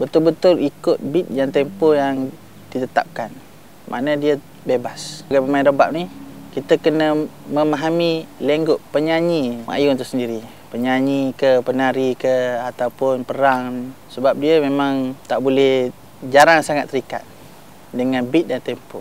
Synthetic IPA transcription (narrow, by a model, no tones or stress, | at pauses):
bət̪ʊlbət̪ʊlikʊt̪̚bit̪̚jaŋt̪empojaŋ | dit̪ət̪a̰p̚kan | mʔa̰nədiə | bebasɡapəmainɾobap̚nikit̪əkənə | məmaɦamileŋɡʊʔpəɲaɲima̰junt̪ʊʔsəndiɾi | pəɲaɲikəpənaɾikəat̪awpʊnpəɾaŋ | səbap̚diəmemaŋt̪aʔbulɛh | d͡ʒaɾaŋsaŋat̪ːəɾika̰t̪̚ | dəŋanbit̪̚jaŋt̪ɛmpo